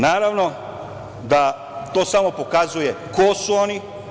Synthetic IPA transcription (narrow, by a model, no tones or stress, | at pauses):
naːɾaʋno̞ | d̪a | t̪oːsamo̞po̞kazuje | kosuoni